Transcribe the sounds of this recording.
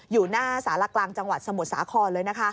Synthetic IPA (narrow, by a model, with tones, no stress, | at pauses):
juː˨˩naː˥˩saː˩˦la˧klaː˧ŋt͡ɕa˧ŋwa˨˩t̪̚sa˧mu˨˩t̪̚sa̰ː˩˦kʰɔː˧nlɤː˧jna˦˥kʰa˦˥ʔ